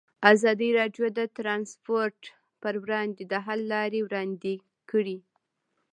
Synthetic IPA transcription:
azɑd̪iɾɑɖjod̪ət̪ɾɑnspoɾʈ | pəɾwɾɑnd̪ed̪əɦalːɑɾewɾɑnd̪e | kəɽi

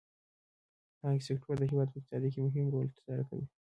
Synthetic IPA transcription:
ɑɡsɪkʈʰoɾd̪əɦɪwɑd̪̚pəɪk̚t̪ɪ̥sɑd̪ikimʊɦɪmɾolt̪ɪ̥zɑɾaka̰wḭ

